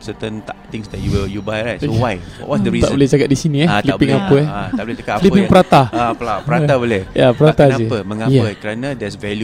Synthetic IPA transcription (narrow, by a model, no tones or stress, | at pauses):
sət̪ə̃nt̪at̪ɪ̃ŋsdɛt̚juwəjubajlansowajwwɔ̰ʔwɔsdəɹiaʔbbolɛhd͡ʒakaʔ̚disiniɛlipĩŋapəɛat̪aʔbolɛd͡ʒakalipiŋpəɾat̪aapəlapəɾat̪abolɛhjapəɾat̪asaəpəməŋajɛəkəɾanãdɛsvɛlju